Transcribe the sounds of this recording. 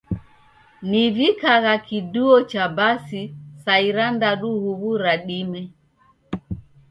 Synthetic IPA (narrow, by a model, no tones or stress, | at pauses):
nivikaɣakiduɔt͡ʃabasisaiɾandaɗuhuɣuɾaɗimɛ